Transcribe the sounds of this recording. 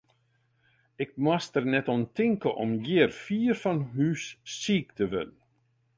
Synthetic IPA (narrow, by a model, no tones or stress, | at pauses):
ɪk̚mastərnɛtɔntɪŋkəʔɔmjɪərfiːrfɔnɦyːsːiːk̚tʰəʋɪ̰nən̩